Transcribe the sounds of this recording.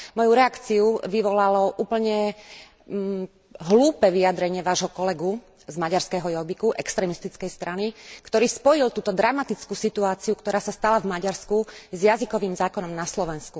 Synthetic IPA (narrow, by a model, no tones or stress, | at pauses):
mɔjuɾɛakt͡siuʋiʋɔlalɔʔuːpl̩ɲɛ | ɦluːpɛʋiad̪ɾɛɲɪɛʋaːʒɦɔkɔlɛɡu | zmaɟaɾskɛɦɔjɔbikuʔɛkst̪ɾɛmist̪it͡skɛjst̪ɾanikt̪ɔɾiːspɔjilt̪uːt̪ɔd̪ɾamat̪it͡skusit̪uaːt͡siukt̪ɔɾaːsast̪alavmaɟaɾskuzjazikɔʋiːmzaːkɔnɔmnaslɔʋɛnsku